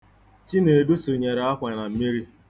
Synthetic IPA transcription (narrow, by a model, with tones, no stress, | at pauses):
t͡ʃi˦ne˨du˦su˨ɲe˨ɾe˨a˦kʷa˨na˨m̩˦mi˦ɾi˦